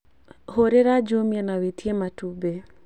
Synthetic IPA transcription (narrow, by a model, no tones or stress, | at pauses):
hoɾeɾad͡ʒomjanawetjematube